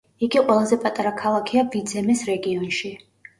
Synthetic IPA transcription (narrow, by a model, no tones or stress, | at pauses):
iɡiqʼwɛlˠazɛpʼat̪ʼaɾakʰalˠakʰiavid̪zɛmɛsɾɛɡiɔnʃi